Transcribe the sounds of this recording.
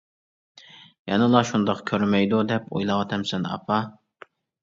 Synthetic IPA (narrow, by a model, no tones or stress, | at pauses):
jɛnɨlˠɑʃund̪ɑqkʲʰøɾmɛjd̪ud̪ɛpo̰jlˠɑwɑt̪ʰɛmsɛnɑ̰pʰɑ